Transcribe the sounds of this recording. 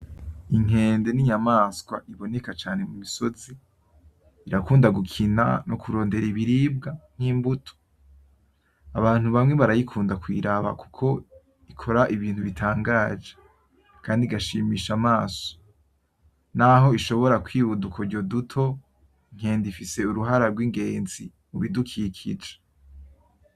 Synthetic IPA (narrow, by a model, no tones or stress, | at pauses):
iŋe̞ːndeniɲamaːskwa̰ʔiβo̞ne̞kat͡ʃaːne̞mumiso̞ziː | ɾakuːndaɡukʰina̰nokuɾo̞ːnde̞ɾiβiɾiːb̚ɡaŋ̥hiːmbutʰo̥ | aβaːn̥huβamŋe̞βaɾajikʰuːndakwḭːɾaβa̰ku̥kʰo̞ | ikʰo̞ɾaʔiβiːn̥huβitʰaːŋɡaːd͡ʒe | kʰaːndiɡaʃiːmiːʃamaːso̥ | naɦo̞iʃo̞βo̞ɾakwiːβudukʰo̞ɾɟo̞dutʰo̞ | iŋ̥he̞ːndifise̞uɾuɦaɾaɾɡwiŋɡe̞ːnzi | muβidukʰikʰid͡ʒe̥